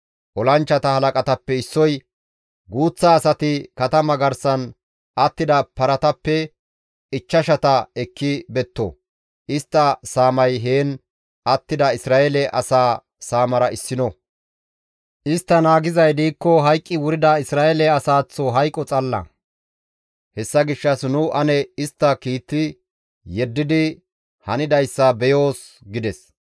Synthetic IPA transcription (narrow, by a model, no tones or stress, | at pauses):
ʔɔlɐnt͡ʃːɐt̪ɐhɐlɐkʼɐt̪ɐpːɛɪsːɔj | ɡuːt͡sːaːsɐt̪ɪkɐt̪ɐmɐɡɐɾsɐn | ʔɐt̪ːɪd̪ɐpɐɾɐt̪ɐpːɛ | ɪt͡ʃːɐʃɐt̪ɐɛkːɪbɛt̪ːɔ̰ | ʔɪst̪ːɐsaːmɐjɦeːn | ʔɐt̪ːɪd̪ɐɪsɾaːʔɛlɛʔɐ̰saː | saːmɐɾɐɪsːɪnɔ | ʔɪst̪ːɐnaːɡɪzɐjd̪iːkːɔɦɐjkʼːɪwʊɾɪd̪ɐɪsɾaːʔɛlɛɐsaːt͡sːɔɦɐjkʼːɔt͡sʼɐlːɐ̰ | hɛsːɐɡɪʃːɐsnʊʔɐnɛɪst̪ːɐkiːt̪ːɪ | jɛd̪ːɪd̪ɪ | hɐnɪd̪ɐjsːɐbɛjo̞ːs | ɡɪd̪ɛs